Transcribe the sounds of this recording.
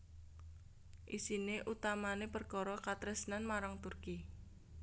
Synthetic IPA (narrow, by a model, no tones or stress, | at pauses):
ʔisineʔut̪amanepərkɔɾɔkat̪ɾəsnanmaɾaŋt̪urki